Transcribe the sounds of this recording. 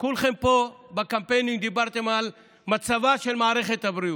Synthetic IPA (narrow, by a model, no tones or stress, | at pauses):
kulxempobɐkɐmpeniŋɖibɐɾt̪emɐl | mɐt̪sɐʋaːʃelmaːɾexet̪ɐbɾiju